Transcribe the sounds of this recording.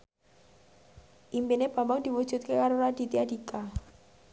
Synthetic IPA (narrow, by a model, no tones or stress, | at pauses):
ʔimpineb̥a̤mbaŋd̥̪i̤wud̥ʒ̥ṳt̪̚kekaɾoɾad̥i̤t̪iadika